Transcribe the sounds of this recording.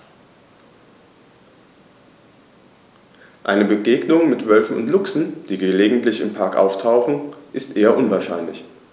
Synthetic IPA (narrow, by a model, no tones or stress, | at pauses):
ʔa̰ɪnəbəɡeːɡnʊŋmɪtv̥œlfn̩ʊ̰ntlʊksn̩d̥iːɡəleːɡŋ̩tlɪçɪmpʰaɐkʔa̰ʊftʰaʊxn̩ʔɪstʔeːɐʔʊnvaːɐʃaɪnlɪç